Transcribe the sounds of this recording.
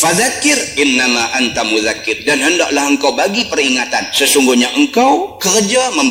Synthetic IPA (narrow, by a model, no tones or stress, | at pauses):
faðakːɪrʔɪnːamaʔant̪amuðakːɪrdanɦəndɔ̰ʔlahəŋkawbaɡipəriŋat̪ansəsuŋɡʊhɲaʔəŋkawkərd͡ʒaməm